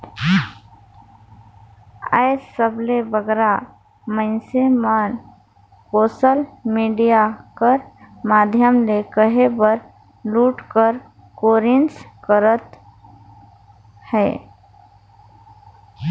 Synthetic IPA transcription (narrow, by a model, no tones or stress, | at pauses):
ə̰ɪsəbʱlebəɡɾa | mə̃ɪnseman | koːsəlmiːɖijakəɾ | maːd̪ʱjəmlekəɦebəɾ | luːʈkəɾ | koːɾɪnskəɾət̪ | hɛː